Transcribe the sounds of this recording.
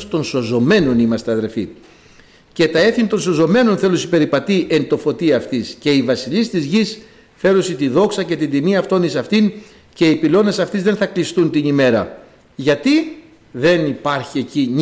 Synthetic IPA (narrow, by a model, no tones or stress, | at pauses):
st̪o̞nso̞zo̞me̞no̞nimɐst̪eɐðe̞lfḭ | ce̞t̪ɐe̞θint̪o̞nso̞zo̞me̞no̞nθe̞lusipe̞ɾipɐt̪iʔe̞nt̪o̞fo̞t̪iɐft̪isce̞ivɐsiʎist̪izʝis | fe̞ɾosit̪iðo̞ksɐce̞t̪ind̪imiɐft̪o̞nðisɐft̪in | ce̞ipilo̞ne̞sɐft̪izðenθɐklist̪unt̪inime̞ɾɐ̰ | ʝɐt̪i | ðe̞nipɐɾçie̞ciɲ